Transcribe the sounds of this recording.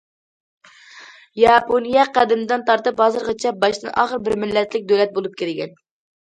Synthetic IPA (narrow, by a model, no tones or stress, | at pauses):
jɑponijɛqæd̪ɪmɪd̪ɨnt̪ʰɑɾt̪ɨphɑzɨɾʁɑt͡ʃʰɛbɑʃd̪ɨnʔɑ̰ːχəɾbɪɾmɪlːɛt̪lɪk̚ʲd̪ølɛt̪̚bolˠup̚kʲeɾɪɡʲɛn